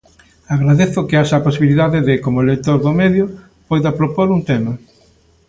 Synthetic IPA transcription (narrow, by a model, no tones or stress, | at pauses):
aɣɾaðeθʊkɪaʃaːposiβiliðaðɪðɪkomolek̚t̪oɾðomeðjʊ | pojðapɾopoɾuŋt̪emɐ